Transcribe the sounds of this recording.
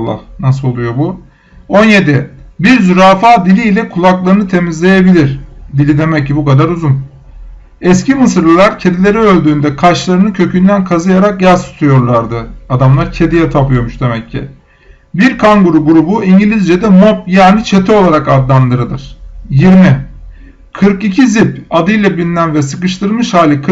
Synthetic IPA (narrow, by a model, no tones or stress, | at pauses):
lːˠa̰hnas̬ɯlˠolˠujo̞bu | o̞nje̞d̪ibiɾzyɾaːfaːd̪ilʲiːlʲɛkʰulˠaklˠaɾɯnɯt̪ʰe̞mizlʲe̞jebilʲiɾ̥d̪ilʲid̪e̞mɛcːibukad̪aɾuzun | ɛscʰimɯsɯɾlˠɯlˠaɾcʰe̞d̪ilʲe̞ɾiølʲd̪yːnd̪ɛkʰaʃt͡ʃlˠaɾɯnɯcʰø̞cʰynd̪ænkʰazɯjaɾak̚jazt̪u̥t̪ʰujo̞ɾlˠaɾd̪ɯad̪amlˠaɾcʰe̞d̪ijɛt̪ʰapʰɯjoɾmuʃd̪e̞mɛcʰːḭ | biɾkʰaŋɡuɾuɡuɾubuiɲɟilʲizd͡ʒed̪ɛmop̚jaːnit͡ʃʰe̞t̪ʰio̞lˠaɾakad̪lˠand̪ɯɾɯd̪ˠɯɾ̥jiɾmi | kʰɯɾkicʰizipad̪ɯjlˠabilʲinænvɛsɯkɯʃt̪ɯɾmɯʃhaːlʲikʰ